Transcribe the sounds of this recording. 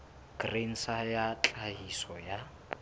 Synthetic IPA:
ɡ̥ren̩sajat͡ɬʼaɦisɔja

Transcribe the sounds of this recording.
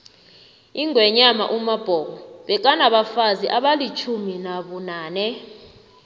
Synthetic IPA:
iŋʱwɛɲama̰ʔumab̥ʱɔːkɔɓɛk̬ʼanaɓafaziʔaɓalit͡ʃʰuminaɓunaːnɛ

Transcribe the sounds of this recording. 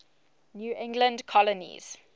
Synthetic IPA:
njuːʔɪ̃ŋɡlə̃ndkʰɔlənḭz̥

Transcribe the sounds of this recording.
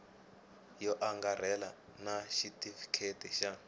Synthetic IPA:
jɔʔaŋɡarɛla | naʃitifi̥kʰetɛʃa

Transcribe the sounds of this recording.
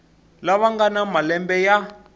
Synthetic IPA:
laβaŋɡanamalɛmbɛja

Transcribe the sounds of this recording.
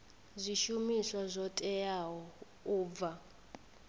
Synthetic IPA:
zʷiʃumiswazʷɔtʼɛjaɦɔ | uːb̪va

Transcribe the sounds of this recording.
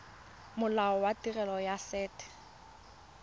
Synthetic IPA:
mʊlaɔwatirɛlɔjasɛːtʰʼɛ̥

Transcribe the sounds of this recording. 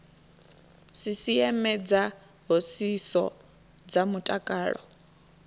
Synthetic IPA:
sisiɛmɛd͡za | ɦosisɔ̰ | d͡zamutʼakʼaːɺɔ̰

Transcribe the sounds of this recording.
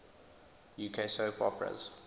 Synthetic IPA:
juːkʰesoʊpʰɔ̰pʰɹə̰z̥

